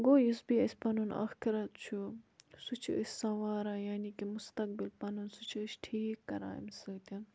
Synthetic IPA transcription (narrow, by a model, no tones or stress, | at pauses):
ɡoːjisbiɐsʲpɐnunɐ̰xkʰiɾɐt̪t͡ʃʰusut͡ʃʰiəsʲsɐʋaːɾãːjaːnikimust̪ɐk̚bilpɐnunsut͡ʃʰiːsʈʰiːkːɐɾa̰ːḭmsɐt̪ʲɐn